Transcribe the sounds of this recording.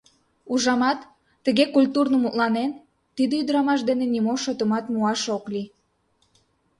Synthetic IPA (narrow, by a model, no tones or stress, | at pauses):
uʒɑmɑt̪ː | əɣekulʲt̪urnəmut̪lɑnen | t̪id̪əyd̪əɾɑmɑʃd̪enenimoʃot̪əmɑt̪muɑʃokli